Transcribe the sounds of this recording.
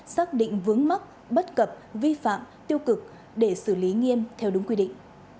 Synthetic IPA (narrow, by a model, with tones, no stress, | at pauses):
saː˦˥k̚ɗḭ˧˨ŋ̟vɨ˨˦əŋma˦˥t̚ | ɓə˦˥t̚kə˨˩p̚vi˧fa̰ː˧˨mt̪i˧əwkɨ˨˩k̚ | ɗe˧˩sɨ˧˩li˨˦ŋi˧əmt̪ʰɛ˧wɗʊ˨˦ŋ͡mkwi˧ɗḭ˧˨ŋ̟